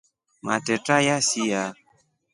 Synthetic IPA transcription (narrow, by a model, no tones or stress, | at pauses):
ma̰tɛtajasija